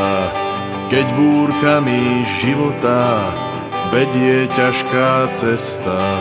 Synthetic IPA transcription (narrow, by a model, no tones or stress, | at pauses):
kɛɟbuːɾkamiʒiʋɔt̪a | ʋɛɟɪɛcaʃkaːt͡sɛst̪a